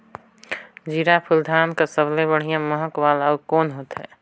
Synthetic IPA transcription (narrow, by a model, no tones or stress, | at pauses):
d͡ʒiɾapʰuld̪ʱaːnkasəblebəɽ̤ijãməɦəkʋaːləbkoːnɦoːt̪ɦɛ̰ː